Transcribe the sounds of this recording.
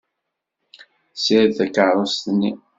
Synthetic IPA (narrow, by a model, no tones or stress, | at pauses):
siɾθækəʕɾˤost̪nːi